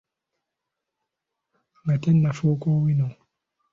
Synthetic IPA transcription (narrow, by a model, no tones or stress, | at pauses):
ŋɡatɛnːafoːkɔːwinɔ